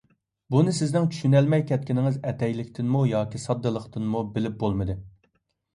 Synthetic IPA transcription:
bunɨsɪznɪŋt͡ʃʰy̥ʃynɛlmɛjkʲʰɛt̪̚kʲinɪŋɪzɛt̪ɛjlɪkʲt̪ʰɪnmujɑːkʲisɑd̪ːɨlˠəqt̪ʰɨnmubɪlɪp̚bolˠmɨd̪ɨ

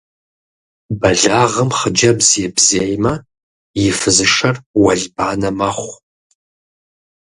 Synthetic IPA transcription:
bɐɮaːʁəmχəd͡ʒɐbzɛbzeːjmɐ | jɪfɨzɨʂɐrwɐɮbaːnɐmɐχʷ

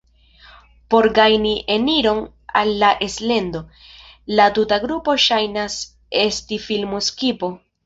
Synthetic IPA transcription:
po̞ɾɡajniʔe̞niɾo̞n | a̰lːaʔe̞sle̞ndo̞ | latutaɡɾupo̞ʃajnas | e̞stifilmuskipo̞

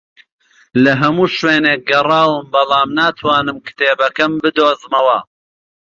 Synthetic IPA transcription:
lɐɦɐmuːʃweːneːk̚ɡɐrɑːwɨmbɐlˠɑːmnaːt̪ʰwɑːnɨmkɨ̥t̪eːbɐkɐmbɨd̪oːzmɐwɐ

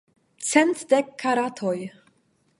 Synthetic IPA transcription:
t͡sent̪d̪ekʰːaɾat̪ʰoj

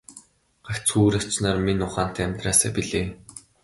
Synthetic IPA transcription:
ɢ̥akʲt͡sxuːɾḁt͡ɕnaːrminʊχaːn̥t̪ʰæːæmʲt̪raːsa̰ːpiɮeː

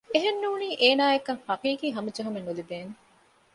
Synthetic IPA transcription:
eɦenːuːniːʔeːnaːekːɐŋhɐqiːkiːɦɐmud͡ʒɐɦumenːud̪ibeːŋ

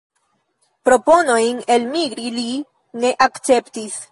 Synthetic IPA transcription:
pɾo̞po̞no̞jne̞lmiɡɾili | ne̞ʔakt͡se̞ptis

